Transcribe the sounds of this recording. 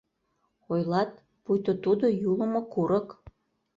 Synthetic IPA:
ojlɑt̪̚ | pujt̪ot̪ud̪ojuləmokuɾək

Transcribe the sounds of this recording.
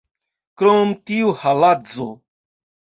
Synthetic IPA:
kɾomt̪iuhalad͡zo̰

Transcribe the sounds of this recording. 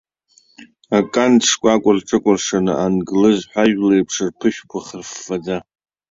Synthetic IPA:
akʼanʂkʷʼakʷʼʊrʈ͡ʂʼɨkʷʼʊrʂanɨʔanɡlɨzħʷᶣaʒlejpʰʂɨrpʰɨʃᶣkʷʰaχərfːad͡za

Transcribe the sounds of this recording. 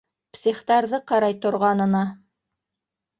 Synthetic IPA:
psʲiχt̪ɑɾðɤqɑɾɑjt̪ŏɾʁɑnɤ̆nɑ

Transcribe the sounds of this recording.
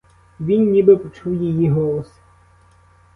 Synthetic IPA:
ʋʲinʲːibɪpɔt͡ʃuwjejiɦɔlˠɔs

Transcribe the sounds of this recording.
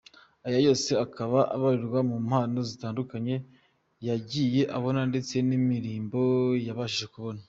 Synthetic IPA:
ajajo̞ːse̞akʰaβaʔa̰βaɾiɾɡwamum̥haːno̞zitaːndukaɲe̞ | jaɟije̞ʔaβo̞nande̞t͡se̞nimiɾiːmbo̞jaβaʃiʒe̞kuβo̞na

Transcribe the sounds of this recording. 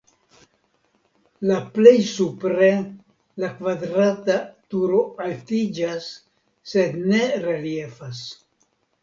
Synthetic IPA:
laple̞jsupɾe̞ | lakvadɾatatuɾo̞altid͡ʒasː | e̞dne̞ɾelie̞fas

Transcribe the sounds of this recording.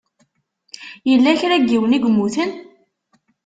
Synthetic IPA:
jəlːæçɾæɡːiwəniɡmːuθən

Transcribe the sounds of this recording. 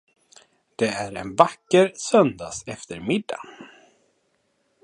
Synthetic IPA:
d̪̥ɛæɾɛ̰nvakːəɾsœnd̪aːsɛft̪əɾmɪd̪ːa̰

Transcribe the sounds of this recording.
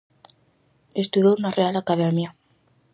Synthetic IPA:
est̪uðounarealakaðemja

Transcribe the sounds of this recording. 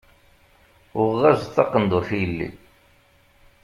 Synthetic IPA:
ʊʁʁæzθːɑqːənd̪ʊɾθijəlːḭ

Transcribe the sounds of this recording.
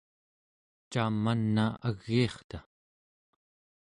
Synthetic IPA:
t͡ʃaːmːanːaaɣːiːχt̪a

